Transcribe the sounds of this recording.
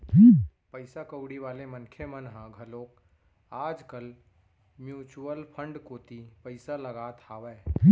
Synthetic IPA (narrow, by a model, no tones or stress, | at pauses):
pəɪsakəʊɽiʋaːlemənkʰjemənɦãɡʱəloːk | aːd͡ʒkəl | mjuːt͡ʃuəlpʰə̃ɳɖkoːt̪ipəɪsaləɡaːt̪aːʋɛː